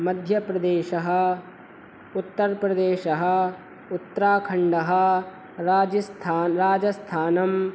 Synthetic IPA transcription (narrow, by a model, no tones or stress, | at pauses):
mɐd̪ʱjɐpɾɐd̪eːʃɐɦɐ̆ | ut̪ːɐɾpɾɐd̪eːʃɐɦɐ̆ | ut̪ːɾaːkʰɐɳɖɐɦɐ̆ | ɾaːd͡ʒɐst̪ʰaːnɾaːd͡ʒɐst̪ʰaːnɐm